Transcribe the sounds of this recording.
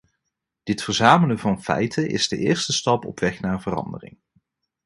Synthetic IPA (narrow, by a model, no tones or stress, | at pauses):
d̥ɪtfəɹzaːmələvɑnfɛ̰jtəʔɪ̰zdəʔɪːɹstəstɑpɔ̰pʋɛχnaːɹvərɑ̰ndərɪ̰ŋ